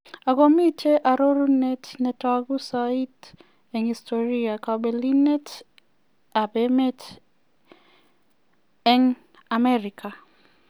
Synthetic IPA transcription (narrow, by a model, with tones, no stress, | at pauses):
aɡomi˦t͡ʃe˦ʔa˨ɾo˦ɾu˦ne˦tnɛ˨taɡu˦sai˦t | ɛŋistʰoɾiakabeli˦nɛ˦t | a˨beme˦t | ɛŋ | a˨mɛɾikʰa˨